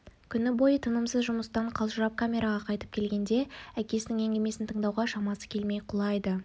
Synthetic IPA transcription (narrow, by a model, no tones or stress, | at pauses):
kʲʰʏnɪbo̞jət̪ʰənəmsəzʒʊməst̪ɑɴqʰɑlˠʒəɾɑp̚kʰamʲe̞ɾaʁɑqʰɑjt̪ə̥p̚kʲʰe̞lɡʲe̞nd̪e̞ækʲe̞sɪnɪŋe̞ŋɡʲeme̞sɪnt̪ʰəɴd̪ɑwʁɑʃɑmɑsə̥kʲʰe̞lme̞jqʰʊlˠɑjd̪ə